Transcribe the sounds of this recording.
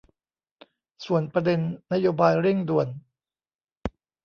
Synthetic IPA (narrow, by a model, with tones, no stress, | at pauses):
su˨˩ənpɾa˧de˧nːa˦˥joː˧baː˧jɾe˥˩ŋdu˨˩ən